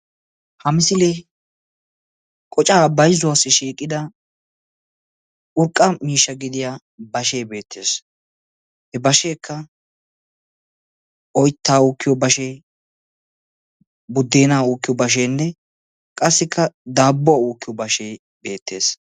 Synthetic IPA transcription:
hɐmɪsɪle | kʼɔt͡ʃʼaːbɐjzʊwasːɪʃiːkʼːɪd̪ɐ | ʊɾkʼːɐmiːʃːɐɡɪd̪ɪja | bɐʃejbe̞ːt̪ʰːe̞ːs | hɛbɐʃe̞ːkʰːɐ | ʔɔjt̪ːaːuːkːɪjɔbɐʃej | bʊd̪ːe̞ːnaːuːkːɪjɔbɐʃ̬eːnːɛ | kʼɐsːɪkːɐd̪aːbːʊauːkːɪjɔbɐʃeː | be̞ːt̪ʰːe̞ːs

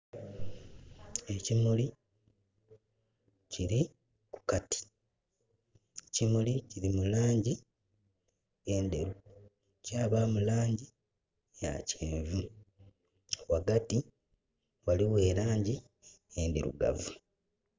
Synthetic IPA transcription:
e̞cimuli | ciɾi | ku̥kati̥ | ecimuliciɾimulaːɲɟi | eːndeɾu | caːβaːmulaːɲɟi | ja̰ceːɱvu | waɡati | waliwe̞ːlaːɲɟi | eːndiɾṵɡa̰vu

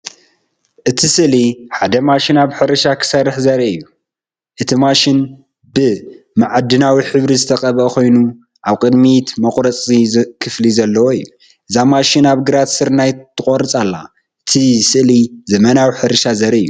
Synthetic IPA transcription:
ʔɨt̪ʰisɨliħad̪ɐmaʃinaβħɨɾɨʃakʰɨ̥sɐrːɨħzɐɾɐɨjːu | ʔɨt̪ʰimaʃin | bɨ | maʕad̪ːɨnawiħɨβɾizɨt̪ʰɐqʼɐβʔɐkʰo̞jnu | ʔaβkʼɨd̪mit̪mɐqʼɾɐt͡sʼikʰɨflizɐlːɐwoɨjːu | ʔɨzamaʃinaβɡɨɾat̪sɨɾnajt̪ʰːɨkʼoɾɨt͡sʼalːa̰ | ʔɨt̪ʰisɨʔlizɐmɐnawiħɨɾɨʃazɐɾɐɨjːu

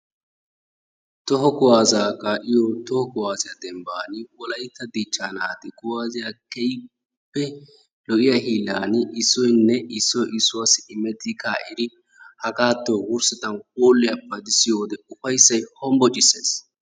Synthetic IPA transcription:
t̪ɔɦɔkɔwaːzaːkaːʔɪjɔt̪ɔhɔkɔwaːzɪjɐd̪ɛmbaːnɪwɔlɐjɪt̪ːɐd̪it͡ʃːaːnaːt̪ɪkʼʊwaːzɪjakɛjɪ | pːɛ | lɔʔɪjahiːlːaːnɪɪsːɔjnːɛɪsːɔjʔɪsːʊwasɪɪmɛt̪ːɪkaːʔɪd̪ɪ | hɐkaːt̪ːoːwʊɾsɛt̪ɐnkʼoːlːɪjɐpːɐd̪ɪsɪjoːd̪ɛʊfɐjsːɐjhɔmbɔt͡ʃʼɪsːeːs

